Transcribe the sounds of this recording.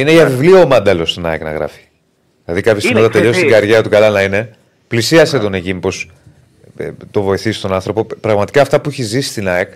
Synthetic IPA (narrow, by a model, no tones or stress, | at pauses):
ineiʝɐvivlioːmɐnd̪elo̞st̪onɐ̰eknɐ̰ɣɾɐ̰fi̥ | ðilɐðikɐpçest̪imðɐt̪eʎo̞sist̪iɡɐɾʝeɐt̪ukɐlɐnɐine̞ | plisiɐset̪o̞neʝimpo̞s | t̪o̞vo̞iθisi̥st̪o̞nɐ̃nθɾo̞po̞pɾɐɣmɐt̪i̥kɐːft̪ɐpuiçezisi̥st̪inɐek